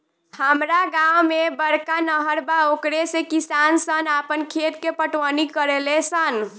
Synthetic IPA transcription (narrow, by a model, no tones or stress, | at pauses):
həmɾaɡawmebəɾkanəɦəɾbaokɾesekisansənapənkʰet̪kepəʈʋənikəɾelesən